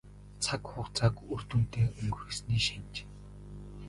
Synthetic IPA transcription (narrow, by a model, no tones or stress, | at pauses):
t͡sʰakχʊχt͡sʰakɵr̥t̪ŭn̥t̪eːɵŋɡxesniːʃint͡ɕ